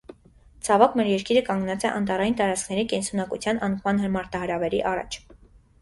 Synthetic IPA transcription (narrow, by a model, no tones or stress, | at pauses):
t͡sʰɑvɑkmɛɾjɛɾkiɾəkɑŋɡnɑt͡sɛʔɑ̰nt̪ɑrɑjint̪ɑɾɑt͡skʰnɛɾikɛnsunɑkut͡sʰjɑnɑnχɑnɦəɾmɑɾt̪ɑɦəɾɑvɛɾḭʔɑrɑ̰t͡ʃʰ